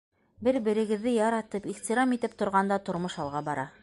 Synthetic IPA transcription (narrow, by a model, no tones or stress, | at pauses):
bɘɾbɘ̆ɾɘ̆ɡɘ̆ðːɘjɑɾɑt̪ɤpiχt̪iɾɑmit̪ɘp̚t̪ŏɾʁɑnd̪ɑt̪ŏɾmoʃɑlˠʁɑbɑɾɑ